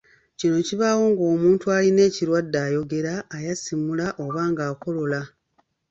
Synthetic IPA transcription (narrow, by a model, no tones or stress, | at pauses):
cino̞ciβaːwo̞ːŋɡo̞ːmuːntualine̞ːciɾwadːaːjo̞ɡe̞ɾaːjasimulaʔo̞βaːŋɡaːko̞lo̞la